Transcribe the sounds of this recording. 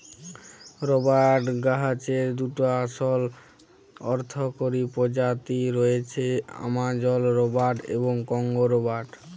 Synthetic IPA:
ɾobaʈɡaɦat͡ɕeɾd̪uʈoaʃol | ɔɾt̪ʰokoɾipod͡ʑat̪iɾoet͡ɕʰea̰mad͡ʑɔlɾobaʈḛboŋkɔŋɡoɾobaʈ

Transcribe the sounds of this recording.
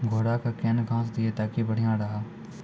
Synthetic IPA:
ɡʱoːɽaːkaːkeːnɡʱãːsd̪ɪeːt̪aːkibəɽ̤ijãːɾəɦaː

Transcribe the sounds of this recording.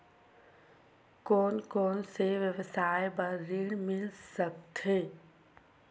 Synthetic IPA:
koːnkoːnseʋjəʋəsaːebəːɪɽmɪlsək̚t̪eː

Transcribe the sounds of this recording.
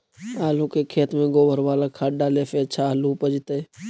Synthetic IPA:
aːlukekʰeːt̪mẽɡoːbʱəɾʋaːlakʰaːɖaːlefeətːʃʰaluːpəd͡ʒt̪eː

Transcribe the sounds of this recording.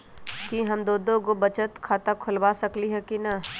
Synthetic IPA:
kiɦɐmd̪oːd̪õɡobɐt͡ʃət̪kʰaːt̪akʰʊlʋaːsɐkliɦɛkinɐ

